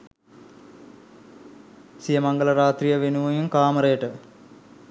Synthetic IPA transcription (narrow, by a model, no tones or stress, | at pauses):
sijəmɐŋɡəlɐɾaːt̪ɾijəʋenuʋujuŋkaːməɾəjəʈə